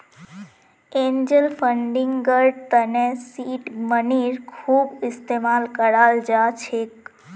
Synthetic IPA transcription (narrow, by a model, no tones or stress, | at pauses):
ẽɲd͡ʒəlfəɳɖɪŋɡɡəɾɖt̪ənesiʈməniɾkʰubɪst̪emalkəɽald͡ʒat͡ʃʰek